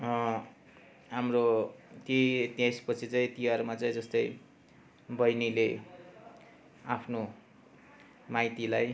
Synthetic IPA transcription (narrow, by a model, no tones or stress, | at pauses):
ɦamrot̪jet̪jaspʌt͡sʰit͡saĩt̪ijarmat͡saĩd͡zʌst̪ʌj | bʌjnile | apʰno | majt̪ilaj